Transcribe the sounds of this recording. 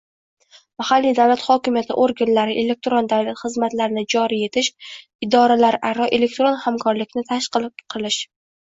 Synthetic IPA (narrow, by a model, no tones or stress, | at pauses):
mahalːijd̪avlat̪χɒkʲɪmjat̪ʰɪ̰ʔoɾɡʲanlaɾɪʔe̞le̞k̚t̪ɾond̪avlat̪χɨzmat̪laɾɪnɪd͡ʒɒɾije̞t̪ʰɪʃ | ɪd̪ɒɾalaɾʔaɾɒʔele̞k̚ʲt̪ɾonhamkʰɒɾlɪkʲnɪt̪ʰaʃqɨlˠqʰɨlɪʃ